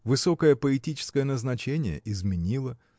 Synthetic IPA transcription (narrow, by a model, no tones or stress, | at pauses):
vɨso̞kəjəpəɪtʲit͡ɕɪ̥skəjənəznɐt͡ɕenʲɪjə̰ʔɪzmʲɪnʲilˠə